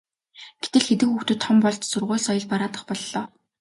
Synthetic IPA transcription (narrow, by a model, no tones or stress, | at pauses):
ɡ̥et̪ɘ̆ɮxet̪ɘ̆kxuxt̪ɵ̆t̪ʰːɔmpɔɮt͡ɕ̪sɵrʁʊːɮsɔjɞ̆ɮpaɾaːt̪ə̆χpɔɮːɔː